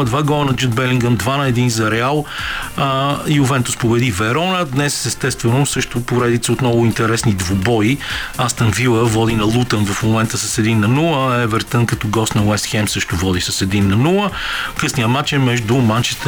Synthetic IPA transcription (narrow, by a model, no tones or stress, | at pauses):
d̪vaɡɔənɐd͡ʒud̪̚bɛliŋɡənd̪vanɐɛd̪inzɐɾɛalˠ | iʊvɛnt̪ʊspobɛd̪ivɛɾɔnəd̪nɛsɛst̪ɛst̪vɛnʊsɤʃt̪ʊpoɾɛd̪it̪səot̪nɔvʊint̪ɛɾɛsnid̪vobɔiast̪ənvilˠəvɔd̪inɐlˠut̪ənvɐfmomɛnt̪əsəsɛd̪inːɐnulˠəɛvɛɾt̪ənkɐt̪ɔɡɔst̪nɐwɛst̪xɛmsɤʃt̪ʊvɔd̪isɐsɛd̪inːɐnulˠəkɤsnijəmat͡ʃɛmɛʒd̪ʊmant͡ʃɛst̪